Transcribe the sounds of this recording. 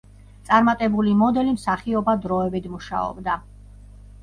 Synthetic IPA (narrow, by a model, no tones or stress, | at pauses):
t̪sʼaɾmat̪ʼɛbulimɔd̪ɛlimsaχiɔbad̪ɾɔɛbit̪ʰmuʃa̰ɔ̰bd̪a